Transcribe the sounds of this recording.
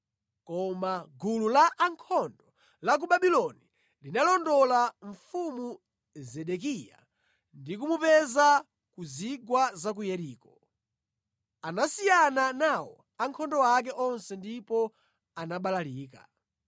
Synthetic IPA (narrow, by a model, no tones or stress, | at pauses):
kɔmaɡululaʔːŋkʰɔndɔ | lak̬uɓaɓilɔni | linalɔndɔlaɱfumu | zɛɗɛk̬ija̰ | ndik̬umupɛza | kuziɡwazak̬ujɛɾiːkɔ | anasijananawɔ | aŋkʰɔndɔak̬ɛʔɔnsɛndipɔ | anaɓalaliːka̰